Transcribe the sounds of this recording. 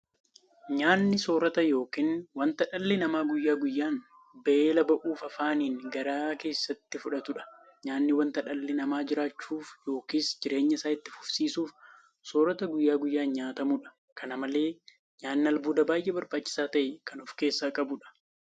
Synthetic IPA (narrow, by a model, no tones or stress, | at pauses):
ɲaːnːɪso̞ːɾɐt̪ɐjo̞ːkiːnwɐnt̪ɐᶑɐlːɪnɐmaːɡʊjːaːɡʊjːaːn | bɐʔeːlɐbɐʔuːfɐfaːniːŋɡɐɾaːke̞ːsːɐt̪ːɪfʊᶑɐt̪ʊᶑɐ̥ | ɲaːnːɪwɐnt̪ɐᶑɐlːɪnɐmaːd͡ʒɪɾaːt͡ʃːuːfjo̞ːkiːsd͡ʒɪɾe̞ːɲːɐsaːɪt̪ːɪfʊ̥fsiːsuːf | soːɾɐt̪ɐɡʊjːaːɡʊjːaːnɲaːt̪ɐmuːᶑɐ̥ | kɐnɐmɐle̞ː | ɲaːnːɪɐlbuːd̪ɐbaːjʔɛbɐɾbaːt͡ʃːɪ̥saːt̪ɐʔɛkɐnʊfke̞ːsːaːkʼɐbʊᶑɐ̥